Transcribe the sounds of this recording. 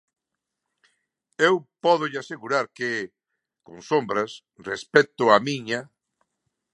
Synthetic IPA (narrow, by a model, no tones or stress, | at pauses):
ewpɔðʊʎɪaseɣuɾaɾkɪ | kõŋsombɾɐs | respɛt̪ʊamiɲa